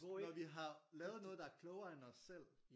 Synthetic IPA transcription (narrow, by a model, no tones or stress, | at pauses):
nɒʋiɦɑ̈lɛːʊðˠnɔ̽ːð̞̩dɑ̈æɐkʰlɔʊɐenɒsel̰